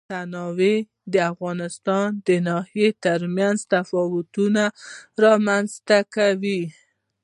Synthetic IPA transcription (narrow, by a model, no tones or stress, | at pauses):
t̪anɑwe | d̪əafɣɑnɪst̪ɑnd̪ənɑhijet̪əɾmjanzt̪afɔwʊt̪unaɾɑmanzt̪akawi